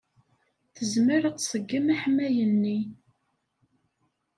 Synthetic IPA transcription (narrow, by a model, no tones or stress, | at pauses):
θəzməɾəqsˤəɡːəmæħmːæjənːi